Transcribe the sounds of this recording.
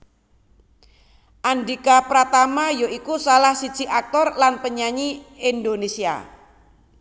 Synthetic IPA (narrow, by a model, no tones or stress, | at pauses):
ʔandikapɾat̪amajoikusalahsid̥ʒ̥iʔak̚t̪ɔrlanpəɲaɲiind̪onesia̰